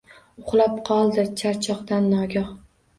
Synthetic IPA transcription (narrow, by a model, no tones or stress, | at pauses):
ʊχlˠapqʰɒlˠd̪ɪt͡ʃʰaɾt͡ʃʰɒqd̪anːɒɡʲɒh